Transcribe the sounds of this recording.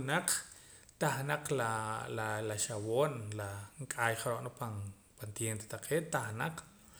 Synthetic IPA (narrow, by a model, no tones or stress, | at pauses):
naq͡χ | t̪aχnaq͡χlalalaʃawoːnlaŋkʼaːjχaɾoʔnopan | pant̪jent̪e̥t̪aqʰeːʔt̪aχnaq͡χ